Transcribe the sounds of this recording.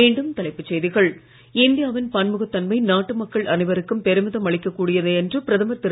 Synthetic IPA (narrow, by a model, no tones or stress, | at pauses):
eːɳɖɯmt̪ɐlɐɪpːɯt͡ʃːɛjðɪɣɐɭ | ɪnd̪ɪjaːʋɪnpɐnmɯɣɐt̪ːɐnmɐɪnaːʈːɯmɐkːɐɭʔɐnɪʋɐɾɯkːɯmpɛɾɯmɪðɐmɐɭɪkːɐkːuːɽɪjɐðɯɛndrɯpɪɾɐðɐmɐɾt̪ːɪɾ